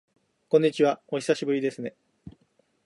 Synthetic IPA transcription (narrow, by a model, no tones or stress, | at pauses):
kõɲ̟ːit͡ɕiβao̞çi̥saɕibɯ̟ɾʲid̪e̞sɨne̞